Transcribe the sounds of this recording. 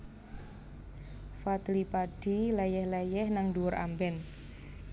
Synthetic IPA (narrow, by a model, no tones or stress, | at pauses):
fat̪lipaɖ̥ilɛjɛhlɛjɛhnaŋduwʊɾʔa̰mbɛn